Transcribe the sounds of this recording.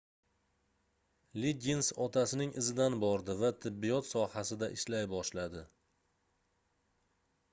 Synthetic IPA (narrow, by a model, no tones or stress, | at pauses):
liɡʲɪnsɒt̪ʰasɪnɪŋɪzɪd̪anbɒɾd̪ɪvat̪ʰɪbːijɒt̪sɒhasɪd̪aʔɪʃlajbɒʃlad̪ɪ